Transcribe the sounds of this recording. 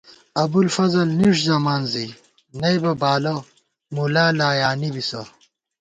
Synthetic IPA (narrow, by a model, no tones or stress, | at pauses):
ɐbulfɐzɐlniʂzɐmaːnzi | nɐjbɐbaːlɐ | mulaːlaːjaːnibisɐ